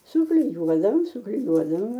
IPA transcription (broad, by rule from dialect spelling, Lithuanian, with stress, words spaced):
sʊklʲɪˈjuɔdɐʋoːm sʊklʲɪˈjuɔdɐʋoːmʲɛ